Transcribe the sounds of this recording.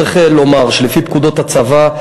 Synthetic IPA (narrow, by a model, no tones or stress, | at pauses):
eχelo̞maʁʃelefipkud̪o̞t̪hat͡sava